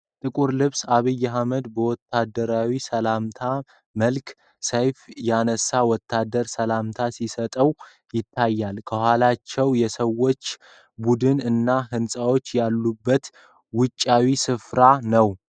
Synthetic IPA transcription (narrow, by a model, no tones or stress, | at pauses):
t̪ʼɨkʼuɾlɨβsaβijːaɦaməd̪bəwɔt̪ʰːad̪əɾawisəlamt̪ʰa | məlk | səjfjanəsːawɔt̪ʰːad̪əɾsəlamt̪ʰasisət̪ʼəw | jɪt̪ʰːajːalkʰəhalat͡ʃːɛwjɛsəwːo̞t͡ʃː | bud̪ɨnɨnːaɦɨnsʼawo̞t͡ʃːjalːubːət̪ | wʊt͡ʃʼːawisɨfɾanəw